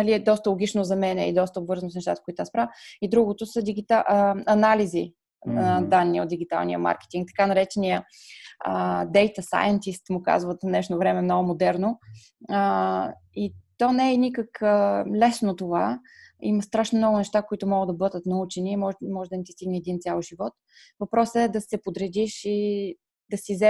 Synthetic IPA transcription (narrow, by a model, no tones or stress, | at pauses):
nɐliɛd̪ɔst̪əlˠoɡʲit͡ʃnozɐmɛnɛ̰ḭd̪ɔst̪əobvɤɾznosnɛʃt̪at̪ə̥kʊit̪ʊaspɾaid̪ɾuɡot̪osəd̪iɡit̪aʔɐnalizi | nɐd̪anːio̰d̪d̪iɡʲit̪a̰lˠnijə̰ma̰ɾkɛ̥t̪iŋk̚t̪ɐ̥kanɐɾɛt͡ʃɛniə | əd̪ɛjt̪əsa̰jɐnt̪ist̪mʊka̰zvət̪nɛʃnovɾɛmɛmnɔɡʊmod̪ɛɾno | ə | it̪ɔnɛːɛnikəkəlɛsnot̪ova | imɐst̪ɾaʃnomnɔɡʊnɛʃt̪akoit̪ʊmɔɡəd̪ɐbɤd̪ət̪nɐut͡ʃɛnimɔmɔʒɛd̪ɐnit̪i̥st̪iɡnɛɛd̪int̪sʲalˠʒivɔt̪ | vɐpɾɔsəɛd̪ɐsɛpod̪ɾɛd̪iʃi | d̪̥ɐsizɛ